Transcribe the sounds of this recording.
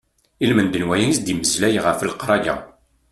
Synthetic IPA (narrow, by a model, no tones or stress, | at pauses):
ilmənd̪ənwæjænisd̪iməzlæjʁəflqɾˤɑjæ̰